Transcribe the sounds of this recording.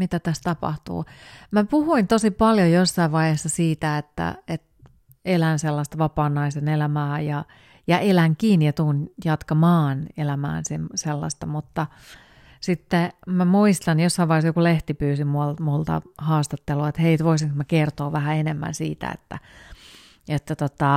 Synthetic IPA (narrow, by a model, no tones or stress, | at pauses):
mit̪æt̪æst̪ɑpɑ̰ht̪ṵːmæpuhuint̪osipɑljojosːɑiʋʋɑihesːɑsiːt̪æet̪ːæ̰et̪ | elænselːɑst̪ɑʋɑpɑːnːɑisenelæmæːjɑ | jɑʔelæŋkiːnijɑt̪uːnjɑt̪kɑmɑːnelæmæ̰ːnsimselːɑ̰st̪ɑmut̪ːɑ | sit̪ːemæmuist̪ɑnjosːɑiʋɑihesjokuleht̪ipyːsimuɑlmult̪ɑ̰hɑːst̪ɑt̪ːeluɑet̪heit̪ʋoisiŋkmækert̪oːʋæhæenemːæ̰nsḭːt̪æ̰ḛt̪ːæ̰ | et̪ːæt̪ot̪ɑ